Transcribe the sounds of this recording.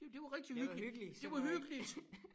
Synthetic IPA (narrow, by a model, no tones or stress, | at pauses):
d̥e̝d̥e̝ʋɑ̈ʁɛɡ̥̚d̥ihyɡ̥əyɡ̥əlid̥e̝ʋɑhyɡ̥əlid̥